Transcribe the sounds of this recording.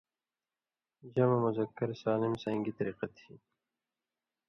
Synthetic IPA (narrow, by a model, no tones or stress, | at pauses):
d͡ʑɐmɐmʊzɐkːɐɾsaːlɪmsɐ̃ŋɡit̪ɐɾiːqɐt̪ʰiː